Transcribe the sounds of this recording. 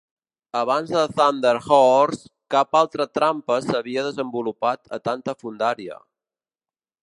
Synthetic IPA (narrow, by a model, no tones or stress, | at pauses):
əβ̞anzðəθand̪əɾxɔrskapalˠt̪ɾət̪ɾampəsəβ̞iəðəzəmbulupat̪ə̰t̪ant̪əfund̪aɾiə̰